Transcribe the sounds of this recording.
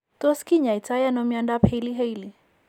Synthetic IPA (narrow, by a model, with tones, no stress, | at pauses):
to˦ski˦ɲa˨i˨t͡sa˦ja˦nɔ˦mi˦a˦nda˦pʰe˦li˦ɦe˦ili˨